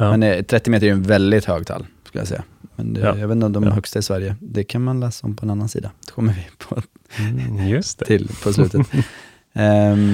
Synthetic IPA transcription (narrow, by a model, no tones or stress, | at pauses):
mɛnɛt̪ʰɾɛt̪ːɪmeːt̪əɾjɵɛnvɛld̪ɪt̪høːɡ̚t̪ʰa̰lskɵlja̰sɛ̰jːa̰ | mɛ̰nɛjavet̪nɔmd̪ɔmɦœkst̪aɪsvæɾjəd̪ɛkʰanmanlɛːsaɔ̰mpʰɔɛnanːansḭːd̪ad̪̥ɛkʰɔmːəvɪpʰɔ | jst̪tʰɪlpʰɔslʉ̟ːt̪ə